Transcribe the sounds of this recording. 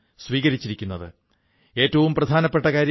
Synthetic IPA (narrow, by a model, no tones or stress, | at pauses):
sʋiːɣɐɾit͡ɕːiɾikʲːunːɐðɨ | e̞ːtːɐʋumprɐd̪ʱaːnɐpːe̞ʈːɐkaːɾj